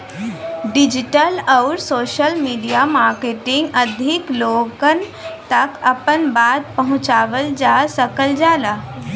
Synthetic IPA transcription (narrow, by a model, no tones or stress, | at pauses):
ɖɪd͡ʒɪʈəlɔːɾsoːʃəlmiːɖijamaːɾkeʈɪ̃ŋɡəd̪ʱɪkloːɡən | t̪ɐkɐpənbaːd̪̚pɐɦʊ̃t͡ʃaːʋəld͡ʒaːsəkəld͡ʒaːlaː